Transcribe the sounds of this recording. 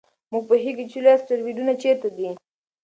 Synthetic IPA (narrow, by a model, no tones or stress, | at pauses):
muɡ̚pəɦiɡit͡ʃulasʈaɾwiɖunat͡ʃet̪ad̪i